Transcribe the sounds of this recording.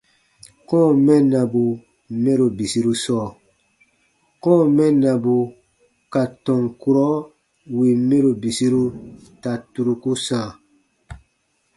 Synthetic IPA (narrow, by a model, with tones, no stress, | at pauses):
kɔ̃ː˦˨mɛ̃˦nã˨bu˨ | mɛ̃˦ɾo˨bi˨si˦ɾu˦sɔː˦˨ | kɔ̃ː˦˨mɛ̃˦nã˨bu˨ | ka˨tɔ̃˨ŋku˦ɾɔ˦ | wi˨mɛ̃˦ɾo˨bi˨si˦ɾu˦ta˨tu˧ɾu˨ku˦sãː˨